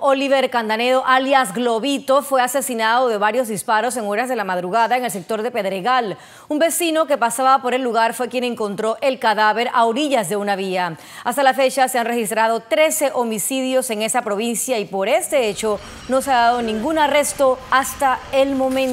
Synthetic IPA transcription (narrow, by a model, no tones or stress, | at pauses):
oliβe̞ɾkand̪ane̞ðoʔaljazɡlo̞βit̪o̞fwe̞ase̞sinaðo̞ðe̞βaɾjo̞zðispaɾo̞s̬e̞ŋo̞ɾazðe̞lamaðɾuɣaðaeŋe̞ls̬e̞k̚t̪o̞ɾðe̞pe̞ðɾeɣal | umbe̞sino̞ke̞pasaβapo̞ɾe̞lːuɣaɾfwe̞kje̞ne̞ŋko̞nt̪ɾo̞ʔe̞lkaðaβe̞ɾaoɾiʝazðe̞unaβia | ast̪alafe̞t͡ʃaseanrexist̪ɾað̞o̞t̪ɾe̞se̞ʔomisiðjo̞se̞ŋe̞sapɾo̞β̞insjaipo̞ɾe̞st̪e̞et͡ʃo̞ | no̞seaðaðonĩŋɡunare̞st̪o̞ast̪aelmo̞mẽn